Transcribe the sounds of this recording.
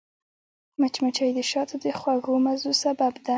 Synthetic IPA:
mat͡ʃmat͡ʃajd̪əʃɑt̪ʰod̪əxwaɡomazusababd̪a

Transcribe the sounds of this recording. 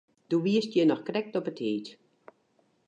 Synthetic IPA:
d̥uʋiəstjɛnɔxkrɛk̚tɔpətheːt

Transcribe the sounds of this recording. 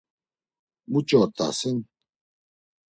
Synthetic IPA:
mut͡ʃɔt̪a̰sɪn

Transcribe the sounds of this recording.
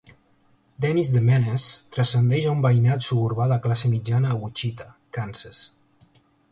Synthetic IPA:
d̪ɛnizðemɛnest̪ɾəsənd̪ɛʒaumbajnat̪suβuɾβaðaklasemid͡ʒanəːut͡ʃit̪akanses

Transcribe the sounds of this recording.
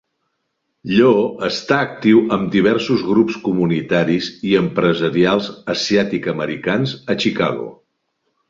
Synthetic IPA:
ʎoəst̪aək̚t̪iwəmd̪iβ̞ɛɾsuzɣɾupskumunit̪aɾiziəmpɾəzəɾialˠzəsiat̪ikəməɾikanzət͡ʃika̰ɣo̰

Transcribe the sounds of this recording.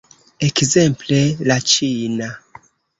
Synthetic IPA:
ekzemplelat͡ʃina

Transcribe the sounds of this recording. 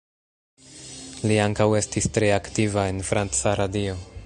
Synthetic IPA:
liaŋkawe̞stistɾe̞aktivae̞nfɾant͡saɾadio̞

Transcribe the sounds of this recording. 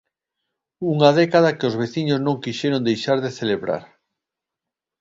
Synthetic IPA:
uŋaðɛkaðɐkɪozβeθiɲʊznõŋkiʃɛɾond̪ejʃaɾðeθeleβɾa̰ɾ

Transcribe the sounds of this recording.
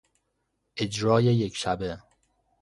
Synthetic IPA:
ʔed͡ʒɾɒːjejekʃæbe

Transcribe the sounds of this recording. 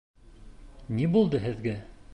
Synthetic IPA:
nibulˠd̪ɤɦɘ̆ðɡɘ

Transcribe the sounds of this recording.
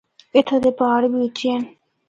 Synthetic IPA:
ɪt̪ʰad̪eːpaːɽbiːʊtt͡ʃːẽː

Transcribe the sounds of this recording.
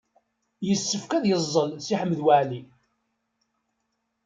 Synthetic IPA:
jəsːəfkæðjəzˤːəlsiħəmːəðwaʕli

